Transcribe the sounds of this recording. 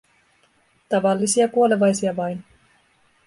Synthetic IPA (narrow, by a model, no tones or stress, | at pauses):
t̪ɑʋɑlːisiɑkuole̞ʋɑjsiɑʋɑjn